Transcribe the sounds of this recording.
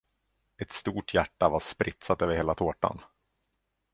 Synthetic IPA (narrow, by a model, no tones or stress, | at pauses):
ɛt̪st̪uːʈʰjæʈːavaʂpɾʔɪt̪sat̪øːvəɾheːlat̪ʰoːʈa̰n